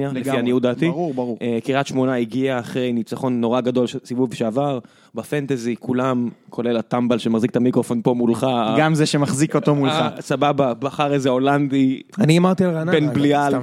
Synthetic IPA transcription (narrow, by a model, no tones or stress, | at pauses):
alleianiutd̪aːt̪iubukiʁat̪ʃmo̞naiɡiaːχʁejnit͡saχo̞nːo̞ʁaɡad̪o̞lʃsivuvʃeavaʁ | bafant̪ezikʰulamkʰo̞le̞lat̪ambalʃemaχziket̪amikʁo̞fo̞npo̞mulχaɡamzeʃemaχzikot̪omulasabababaχaʁezeoland̪ianiamaʁt̪ialʁanapenblial